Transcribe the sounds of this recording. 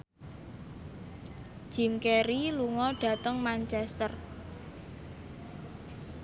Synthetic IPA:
d͡ʒ̥i̤mkeɾiluŋɔɖ̥ä̤t̪əŋmant͡ʃɛst̪ər

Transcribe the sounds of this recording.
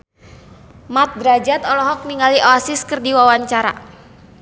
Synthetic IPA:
mat̪̚dɾad͡ʒat̪ɔlɔɦɔk̚niŋaliʔɔasiskɨrdiwawaɲt͡ʃaɾa̰

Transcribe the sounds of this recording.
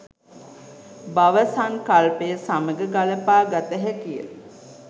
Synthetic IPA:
baʋəsaŋkalpejəsaməɡəɡaləpaːɡat̪əɦækijə̰l

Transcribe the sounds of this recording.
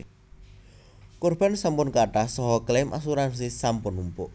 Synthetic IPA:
kɔrb̥a̤nsampʊnkaʈahsɔɦɔklemʔa̰s̬uɾans̬isampʊnumpʊʔ

